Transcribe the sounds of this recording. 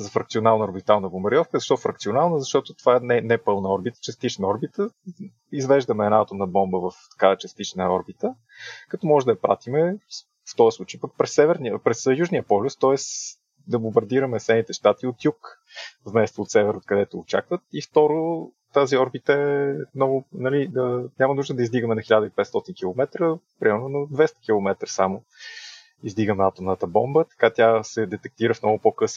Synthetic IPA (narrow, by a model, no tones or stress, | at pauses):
zɐfɾɐkt̪siʊnalˠnəoɾbit̪alˠnəbomɐɾʲiɔfkəzɐʃt̪ɔfɾɐk̚t̪siʊnalˠnəzɐʃt̪ɔt̪ʊt̪ovaɛnɛnɛpɤlˠnəɔɾbit̪ə̥t͡ʃɛst̪it͡ʃnəɔɾbit̪ə | izvɛʒd̪əmɛːnaat̪ʊmnɐbɔmbəvɐft̪ɐ̥kat͡ʃəst̪it͡ʃnəɔɾbit̪ə | kɐt̪ɔmɔʒɛd̪ɐpɾa̰t̪imɛ | ft̪ɔəslˠut͡ʃəjpək̚pɾɛsːɛvɛɾniəpɾɛsjuʒniəpɔlʲʊst̪ɔɛs | d̪ɐbombɐɾd̪iɾɐmɛsɛnit̪ɛʃt̪at̪iot̪juk | vmɛst̪oːt̪sɛvɛɾot̪kɐd̪ɛt̪ʊːt͡ʃa̰kvət̪̚ift̪ɔɾo | t̪aziɔɾbit̪əɛmnɔvʊnɐlid̪ɐnʲamɐnuʒd̪əd̪ɐizd̪iɡəmɛnɐxilʲad̪əiipɛt̪st̪ɔt̪inkʲilˠomɛt̪ɾəpɾimɛɾnʊnɐd̪vɛst̪ə̥k̟ilˠomɛt̪ɾəsamo | izd̪iɡəmat̪omnət̪əbɔ̰mbət̪ɐ̥kat̪ʲasɛd̪ɛt̪ɛk̚t̪iɾəfnɔɡʊpokɤs